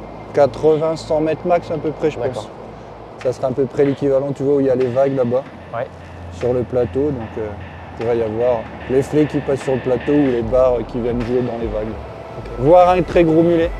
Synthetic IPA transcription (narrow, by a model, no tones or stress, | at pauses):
kat̪χəvɛ̃sɑ̃mɛt̪χmaksɛ̃pøpχɛʒəpɑ̃s | sasəʁaɛ̃pøpχɛlekʲivalɑ̃t̪yvwauiljalevaɡlaba | wɛ | syʁləplat̪od̪ɔ̃kø | puʁɛjavwaʁ | leflɛkʲipasːyʁləplat̪oulebaʁøkʲivjɛnʒued̪ɑ̃levaɡ | oevwaʁɛ̃t̪χɛɡʁomylɛ